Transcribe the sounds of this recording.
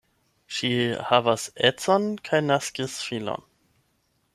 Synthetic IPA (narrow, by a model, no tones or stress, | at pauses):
ʃihavasɛt͡sonkʰajnaskisfilo̰n